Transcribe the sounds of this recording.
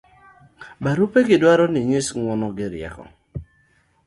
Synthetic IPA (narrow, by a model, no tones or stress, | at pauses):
baɾupeɡɪdwaɾɔnɪɲisŋwɔnɔɡɪɾja̰kɔ̰